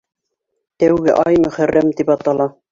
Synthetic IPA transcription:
t̪æwɡɘʔɑjmɵ̆χærːæmt̪ipɑt̪ɑlˠɑ

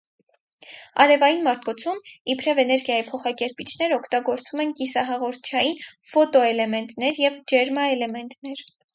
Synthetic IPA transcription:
ɑ̰ɾɛvɑjinmɑɾt̪̚ʰkɔt͡sʰumipʰɾɛvɛnɛɾɡjɑjipʰɔχɑkɛɾpit͡ʃʰnɛɾɔkʰt̪ɑɡɔɾt͡sumɛnkisɑɦɑʁɔɾt̪̚ʰt͡ʃʰɑjinfɔt̪ɔɛlɛmɛnt̪nɛɾjɛvd͡ʒɛɾmɑɛlɛmɛnt̪nɛɾ

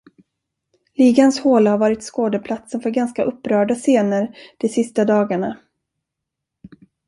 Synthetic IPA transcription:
liːɡanshoːlahaɾvɑːɾɪt̪skoːd̪əpʰlat̪sənfœɾɡanskaʔɵpːɾœːɖaseːnəɾd̪̥ɛsɪst̪ad̪ɑːɡaɳa

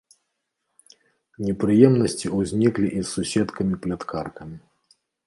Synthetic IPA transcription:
nʲɛpɾɨjɛmnɐsʲt͡sʲiuzʲnʲiklʲiʔisːusʲɛt̪kɐmʲiplʲat̪kʰarkɐmʲi

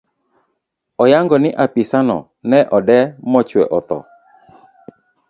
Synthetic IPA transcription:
ɔjaŋɡɔnɪʔapisanɔ̰ | nɛʔɔdɛmɔt͡ʃwɛʔɔt̪ɔ̰

